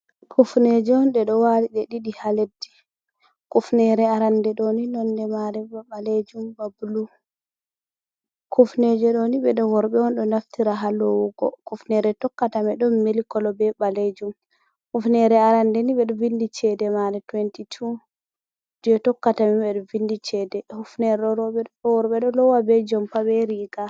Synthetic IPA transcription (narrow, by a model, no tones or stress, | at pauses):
kʰufnɛd͡ʒɔɔnɗɛɗɔwaliɗɛɗiɗihaledːi̥ | kufnɛɾɛaɾandɛɗɔninɔndɛmaɾɛbaɓaled͡ʒumbabulu | kʰufnɛd͡ʒɛɗɔniɓɛɗɔwɔɾɓɛɔnɗɔnaftiɾaɦalɔwuɡɔ̰kufnɛɾɛtɔkːatamɛɗɔmmelikɔlɔbɛɓaled͡ʒum | hufnɛɾɛaɾandɛniɓɛɗɔvindit͡ʃɛdɛmaɾɛtwɛntitʰu | d͡ʒɔtɔkːatamɛɓɛɗɔvindit͡ʃɛdɛhufnɛɾɛɗɔɾɔɛɔwɔɾɓɛɗɔlɔwabɛd͡ʒɔmpabɛɾiɡa